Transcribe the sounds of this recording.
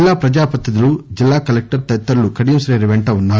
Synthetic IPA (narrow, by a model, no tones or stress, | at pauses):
lːaːpɾɐd͡ʒaːpɐt̪ːɐd̪ɐlud͡ʒilːaːkɐlek̚ʈɐɾt̪ɐt̪ːɐɾɐlukɐɽijɐmsɾeːɾiʋeɳʈɐʋunːaː